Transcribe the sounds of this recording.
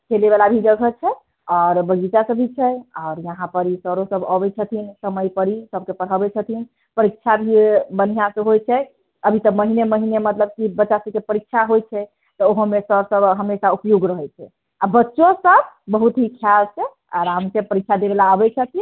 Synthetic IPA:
kʰelebalabʱid͡ʒəɡʱət͡ʃʰɛ | ɔɾbəɡit̪asəbʱit͡ʃʰɛɔːɾjəɦãpəɾisəɾosəbəbɛt͡ʃʰət̪ʰinsəməjpəɾisəb̚kepəɽ̤əbɛt͡ʃʰət̪ʰin | pəɾikʃʰabʱibənijasəɦojt͡ʃʰɛ | əbʱit̪əməɦineməɦinemət̪ləb̚kibətːt͡ʃasəb̚kepəɾikʃʰaɦojt͡ʃʰɛ | t̪ɔoɦomesəɾsəbɦəmesaupjoɡɾəɦɛt͡ʃʰɛ | abətːʃõsəbbəɦut̪ɦikʰjalt͡ʃʰɛ | a̰ɾamkepəɾikʃʰad̪ebelaəbɛt͡ʃʰət̪ʰi

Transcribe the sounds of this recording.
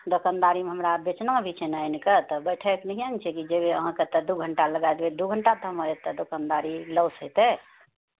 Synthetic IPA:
d̪okand̪aɾimeɦəmɾabet͡ʃnə̃bʱit͡ʃʰɛnainket̪ɔbəjʈʰəknəɦiant͡ʃʰɛkid͡ʒebeəɦãket̪ɔd̪uɡʱəɳʈaləɡajd̪bed̪uɡʱəɳʈad̪ʱəmɦoet̪ːɔd̪okand̪aɾiləwsəit̪ɛ

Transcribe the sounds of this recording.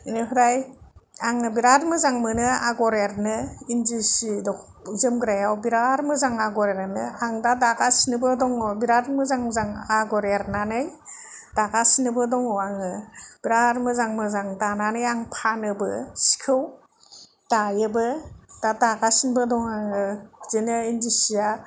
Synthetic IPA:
inɯpʰɯɾajaŋɯbiɾaɾmɯzaŋmɯnɯa̰ɡɔɾeɾnɯinzisidɔ | zɯmɡɾajawbiɾaɾmɯzaŋaɡɔɾeɾnɯaŋdadaɡasinɯbɯdɔŋɔbiɾaɾmɯzaŋzaŋaɡɔɾeɾnanɯj | d̥aɡasinɯbɯdɔŋɔaŋɯb̥iɾaɾmɯzaŋmɯzaŋdananɯjaŋpʰanɯbɯ̰si̥kʰɯw | d̥ajɯbɯd̥adaɡasinbɯdɔŋaŋɯzɯnɯindisia

